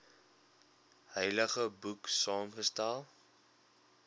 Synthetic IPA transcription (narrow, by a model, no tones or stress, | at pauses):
həjləχəbuksɑːmχəstælˠ